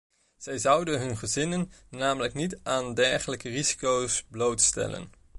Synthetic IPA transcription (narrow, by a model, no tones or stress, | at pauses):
z̥ɛjzʌwdənɦɵnχəzɪnənːaːmələknitaːndɛɹχələkərizi̥kowsblowtstɛ̰lə̰n